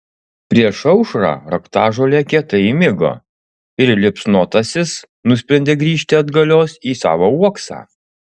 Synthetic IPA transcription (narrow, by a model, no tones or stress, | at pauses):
pʲɾʲiɛʃɒʊʃɾɑ̰ːɾɐkt̪ɑːʒoːlʲɛːkʲɛt̪ɐimʲɪɡo̰ | ɪɾlʲɪpsnoːt̪ɐsʲɪs | nʊsʲpʲɾʲɛnʲd̪ʲeɡɾʲiːʃʲt̪ʲɪɐd̪ɡɐlʲoːsiːsɑ̰ːʋoːuɔksɑ̰ː